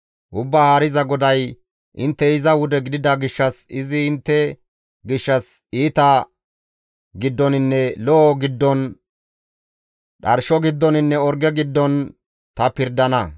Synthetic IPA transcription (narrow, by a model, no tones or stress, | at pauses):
ʔʊbːaːhaːɾɪzɐɡɔd̪ɐj | ʔɪnt̪ːɛɪzɐwʊd̪ɛɡɪd̪ɪd̪ɐɡɪʃːɐsɪzɪɪnt̪ːɛ | ɡɪʃːɐs | iːt̪ɐ | ɡɪd̪ːɔnɪnːɛlɔːɡɪd̪ːɔn | ɗɐɾʃɔɡɪd̪ːɔnɪnːɛɔɾɡɛɡɪd̪ːɔn | t̪ɐpɪɾd̪ɐnɐ